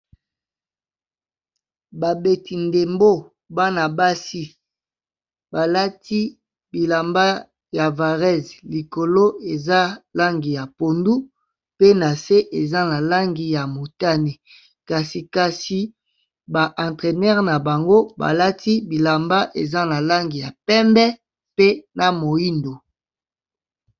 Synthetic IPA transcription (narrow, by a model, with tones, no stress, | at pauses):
ba˨be˨ti˨nde˨mbo˦ | ba˦na˨ba˦si˦ | ba˨la˦ti˦ | bi˨la˨mba˦ | ja˨va˨ʁɛ˦zli˨ko˨lo˦e˨za˦la˦ŋɡi˨ja˨po˨ndu˦ | pe˦na˨se˦ʔe˨za˦na˨la˦ŋɡi˨ja˨mo˨ta˦ni˨ | ka˨si˨ka˨si˨ | ba˨ʔã˨tʁɛ˨nɛ˦ʁna˨ba˨ŋɡo˦ba̰˨la˦ti˦bi˨la˨mba˦ʔe˨za˦na˨la˦ŋɡi˨ja˨pɛ˦mbɛ˦ | pe˦na˨mo˨i˦ndo˨